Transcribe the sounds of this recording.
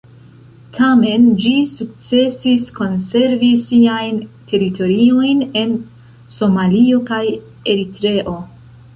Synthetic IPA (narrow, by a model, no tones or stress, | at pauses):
tʰame̞nd͡ʒisuk̚t͡se̞sisko̞nse̞ɾvisiajntʰe̞ɾitʰo̞ɾio̞jne̞n | so̞malio̞kaj | e̞ɾitɾe̞ʔo̞